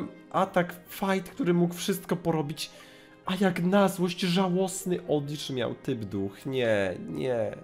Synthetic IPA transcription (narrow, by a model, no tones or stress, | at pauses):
m | ʔat̪akfajt̪kt̪uɾɘmukfʂɘst̪̚kɔpɔɾɔbʲit͡ɕ | ʔajaknazwɔɕt͡ɕʐawɔsnɘʔɔd̪lʲit͡ʂmʲja̰wt̪ɘbd̪uxɲɛɲɛ